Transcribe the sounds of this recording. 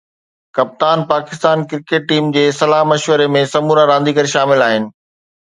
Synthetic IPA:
kɐp̚t̪aːnpaːkɪst̪aːnkɪɾkeːʈ̚ːiːmd͡ʑeːsɐlaːɦmɐʃʋəɾemẽsɐmuːɾaɾãːn̆d̪iɡəɾʃaːmɪlaːɦɪnɪ̆

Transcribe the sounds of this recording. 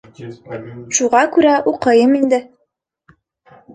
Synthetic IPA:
ʃuʁɑkʉɾæʔuqɤ̆jɤmind̪ɘ

